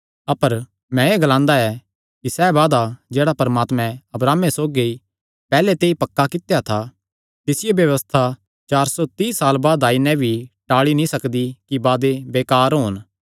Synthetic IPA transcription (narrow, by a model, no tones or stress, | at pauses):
ɐpəɾ | mɛ̃eːɡlãːnd̪aɛ | kisɛːbaːd̪ad͡ʒeːɽapɐɾəmaːt̪mɛ̃ɐbɾaːmesoːɡi | pɛːlet̪eːipɐkːakɪt̪jat̪ʰa | t̪ɪsɪjebjɐʋəst̪ʰa | t͡ʃaːɾsɔt̪iːsaːlbaːd̪aːinɛ̃bʱiʈaːɭinĩsɐkd̪ikibaːd̪ebeːkaːɾɦoːn